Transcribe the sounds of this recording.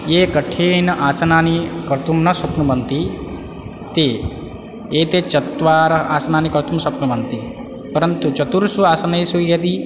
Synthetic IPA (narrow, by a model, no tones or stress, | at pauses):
jekəʈʰeːnʔaːsɐnaːnikɐɾt̪umnɐsɐknubɐnt̪i | t̪e | eːt̪et͡ʃɐt̪ʋaːɾaːsɐnaːnikəɾt̪umsɐknubɐnt̪i | pɐɾənt̪ut͡ʃɐt̪uɾsuaːsɐnɐisujɐt̪i